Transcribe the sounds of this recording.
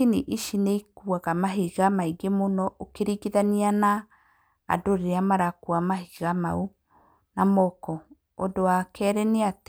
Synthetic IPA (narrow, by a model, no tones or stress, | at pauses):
iniʔiʃineikuaɣamaɦiɣamaiɡemonɔʔokeɾiɡiðaniana̰ː | doɾeamaɾakuamaɦiɣama̰u | namɔkɔ | odowakɛɾɛneat